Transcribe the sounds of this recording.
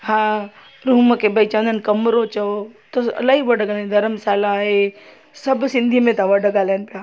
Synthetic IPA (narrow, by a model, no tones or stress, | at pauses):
ɦã | ɾuːməkebɐit͡ʃɐə̃nd̪ənkɐmɾot͡ʃɐot̪oɐ̰laːɦiʋəɖəɡaːland̪ʱɐɾəmsaːlaːɦe | sɐbsɪ̃nd̪ʱimẽt̪aʋɐɖəɡaːlanpaː